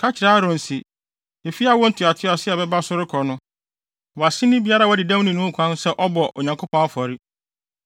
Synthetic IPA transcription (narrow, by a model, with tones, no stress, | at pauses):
kʰa˦t͡ɕʰɪ˨ɾa˦ɾʊ̃˨n̩˨si˨ | e˨fi˦a˦wɔ̃˦n̩˦tʰɪ˨a˨tʰɪ˦ɔ˨sɪ˦ɛ˨bɛ˦ba˦sʊ˦ɾɪ˦kʰɔ˨nʊ̃˦ | wɔ˨a˨sɪ̃˦nɪ̃˦bi˨˦a˦ɾa˦˨wɔ˦dɪ˨dã˦m˦nĩ˨nʊ̃˦kʷʰã˦n˦sɛ˦ʔɔ˦bɔ˨ʔo̰˨ɲã˨ŋkʰo˦pʰɔ̃˦na˦fɔ˨ɾɪ˦